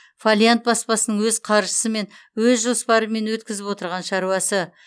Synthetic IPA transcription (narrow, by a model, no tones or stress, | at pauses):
folʲjant̪̚bɑspɑsənəɴwɵzqʰɑɾʒəsəme̞n | wɵzʒo̞spɑɾəme̞nwɵt̪̚kʲɪzɪpwo̞t̪əɾʁɑnʃɑɾuɑsə